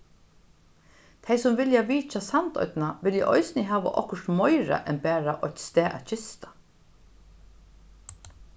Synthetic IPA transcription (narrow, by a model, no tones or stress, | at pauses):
t̪ʰejsʊmvɪljaʋiːt͡ʃasant̪ɔ̰ʏt̪naʋɪljɛ̰ʔɔjsɪnɪɦaːʋa̰ʔɔ̰hkʊʂt̪mɔjɾa̰ʔɛnpæːɾaʔɔt̪st̪ɛːʔa̰ðt͡ʃʰɪst̪ḁ